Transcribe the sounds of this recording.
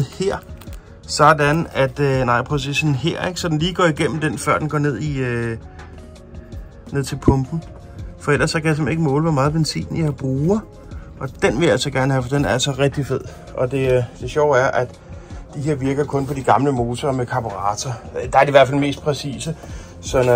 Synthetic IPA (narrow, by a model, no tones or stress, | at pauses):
heɐ̰ | sɒd̥ænæd̥ønɑ̈ɪ̰pʰʁɛsḭsn̩ɦeɐ̰eɡ̥sɒ̽d̥en̩liːɡ̥ɒ̰ːiɡ̥em̰m̩d̥enfɶɐd̥enɡɒ̰ːne̝ð̞̰ˠiø | ne̝ð̞̰ˠt͡sʰe̝lpʰɔ̽mb̥n̩ | fɒ̽el̰ɐsːɒ̽kæjɑs̬e̽meɡəmɔ̰̽ːləʋɒmɑ̈ːð̞̩ˠb̥ensʰḭːnjɑɪb̥ʁuː | ʔɒ̽d̥enʋe̝ljæl̰sɒɡ̥æɐnəhæfɒd̥enæɐælsɒʁɛɡ̥̚d̥ife̝ð̰ˠ | ʔɒ̽d̥e̝d̥e̝ɕɒʊ̰æɐʔæd̥ | d̥iɦe̝ɐ̰ʋiɐɡ̥ɐkʰɔ̽npʰɒ̽d̥iɡ̥ɑ̈mləmo̝ːsɐmekʰɑ̈b̥oʁɑ̈ːt͡sʰɐd̥ɑ̈æɐɾiʋæɐ̰fælme̝ːsd̥̚pʰʁɛsḭːsə | sɒ̽n